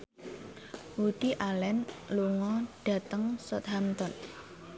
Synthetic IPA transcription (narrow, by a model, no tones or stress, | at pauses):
wud̪̥iʔalɛnluŋɔɖ̥a̤t̪əŋsɔt̪ɦamt̪ɔn